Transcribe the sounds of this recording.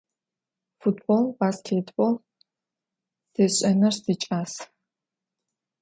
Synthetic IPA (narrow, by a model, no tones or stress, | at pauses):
futboːlbaːskʰʲeːtʰʼbol | seːɕʼɐnɐrseːt͡ʃʼaːs